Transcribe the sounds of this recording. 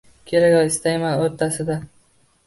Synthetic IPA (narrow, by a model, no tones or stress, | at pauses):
kʲʰe̞ɾakʲɒwɪst̪ajmanoɾt̪ʰasɪd̪a